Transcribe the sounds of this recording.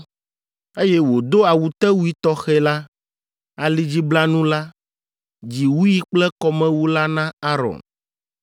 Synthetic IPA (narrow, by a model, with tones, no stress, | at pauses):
e˦jɛ˦wo˨d̪o˦a˨wu˨t̪ɛ˦wu˦i˦t̪ɔ˦xɛ˦la˦ | a˨li˦d͡ʑi˦bla˦nũ˦la˦ | d͡ʑi˨wu˦ji˦k͡plɛ˦kɔ˨mɛ̃˦wu˦la˦nã˦a˦ɾɔ̰˨n